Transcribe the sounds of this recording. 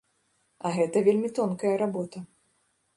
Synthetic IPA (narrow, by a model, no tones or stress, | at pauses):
ɐɣɛt̪ɐvʲelʲmʲit̪ɔnkɐjɐɾabɔt̪ɐ